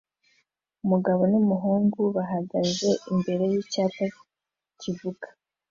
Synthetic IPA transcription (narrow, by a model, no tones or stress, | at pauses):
umuɡaβo̞numuɦuːŋɡuβaɦaɡaze̞ʔimbe̞ɾe̞jicaːta | civuɡḁ